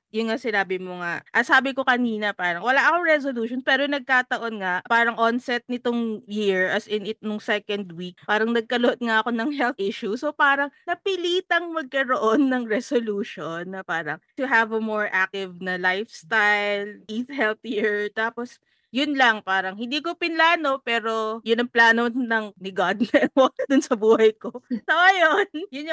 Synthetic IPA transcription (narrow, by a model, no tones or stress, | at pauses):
jʊnŋasɪnaːbɪmoŋaʔʔɐsaːbɪko̞kɐniːnɐpaːɾɐŋwɐlaʔɐkoɹɛs̬oluːʃonspɛːɾonɐɡ̚kaːt̪ɐʔo̞nŋaʔpaːɾɐŋʔonsɛt̪̚nɪt̪oŋjiɹɐsɪnɪt̪̚noŋsɛkɐnd̪wik̚paːɾɐŋnɐɡ̚kɐloʔot̪̚ŋaʔɐko̞nɐŋhɛlˠθʔɪʃusopaːɾɐŋnɐpɪliːt̪ɐŋmɐɡ̚kɐɾoʔonːɐŋɾɛsoluːʃonːɐpaːɾɐŋt̪ʊɦɐvɐmoɹʔak̚t̪ɪvnɐlajfst̪ajlʔiθhɛlθjiɹt̪aːpos | jʊnlɐŋpaːɾɐŋhɪ̃nd̪iːkopɪnlaːno̞pɛːɾo̞jʊnɐŋplaːnonɐŋnɪɡad̪̚nɛwɐɡ̚ɐd̪ʊnsɐbuːhɐjkosɐʔɐjonjʊn